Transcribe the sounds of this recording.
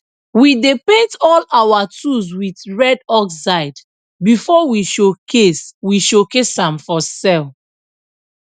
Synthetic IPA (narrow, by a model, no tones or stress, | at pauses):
widepetɔlawatus̬witɹɛdɔkssaɪd | bifɔwiʃokʰeswiʃokesãmfɔsɛl